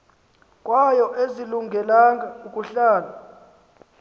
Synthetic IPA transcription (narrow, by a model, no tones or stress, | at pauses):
kʼwajɔʔeziluŋɡʱɛlaŋɡʱaukʼuɬaːla